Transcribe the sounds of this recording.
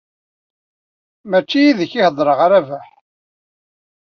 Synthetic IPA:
mæt͡ʃːijiðəçɪhəðˤɾˤəʁaɾævæħ

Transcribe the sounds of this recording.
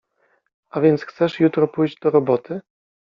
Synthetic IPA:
avʲjɛnt̪sxt̪sɛʂjut̪ɾɔpujʑd͡ʑd̪ɔɾɔbɔt̪ɘ

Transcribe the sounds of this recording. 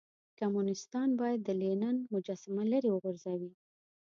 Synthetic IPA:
kamunɪst̪ɑnbɑjad̪ːəlenanmʊd͡ʒɑsɪmaləɾewəɣʊɾzawi

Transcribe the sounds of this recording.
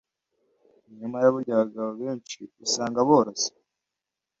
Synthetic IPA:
ɲumajaβuɾɟaβaɡaβoβe̞ːnt͡ʃiisaːŋɡaβoːɾosi̥

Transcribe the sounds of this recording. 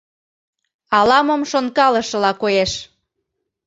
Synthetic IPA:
ɑlɑməmʃonkɑlə̆ʃɤ̆lɑkojeʃ

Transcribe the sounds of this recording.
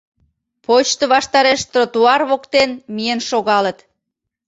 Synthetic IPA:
pot͡ɕt̪əβɑʃt̪ɑɾeʃt̪rot̪uɑrβokt̪enmijenʃoɣɑlət̪

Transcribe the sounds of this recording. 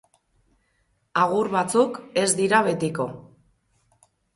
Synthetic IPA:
aɣ̞uɾβat͡suke̞zd̪iɾaβe̞t̪iko̞

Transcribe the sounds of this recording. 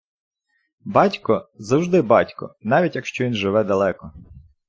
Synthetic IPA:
bɑtʲkɔzɐwʒd̪ɪbɑtʲkɔ̰nɑʋʲitʲjɐkʃt͡ʃɔʋʲinʒɪʋɛd̪ɐlˠɛkɔ

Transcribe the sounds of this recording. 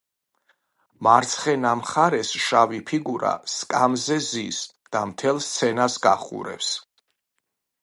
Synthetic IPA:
maɾt̪sʰχɛnamχaɾɛsʃavipʰiɡuɾa̰skʼamzɛzis | d̪̥amt̪ʰɛlˠst̪sʰɛnasɡaχṵɾɛ̰ps

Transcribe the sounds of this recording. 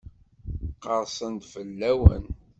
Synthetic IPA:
qəɾˤsˤənt̪fəlːæwə̰n

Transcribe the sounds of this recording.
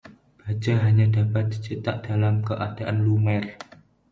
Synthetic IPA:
b̥ad͡ʒaɦaɲãdapat̪̚t͡ʃət̪aʔdalamkəʔadaʔanlumɛr

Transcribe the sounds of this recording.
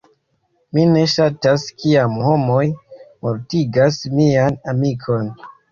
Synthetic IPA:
mine̞ʃataskʰiamho̞mo̞jmoɾtiɡasmianamikʰo̞n

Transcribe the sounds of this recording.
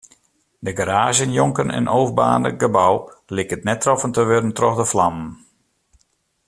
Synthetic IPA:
dəɡəɾaːʒjənjɔŋkənə̰nowvba̰ːndə̰ɡəbawlɪkətnɛtːrɔfəntəʋødəntrɔxdəflamən

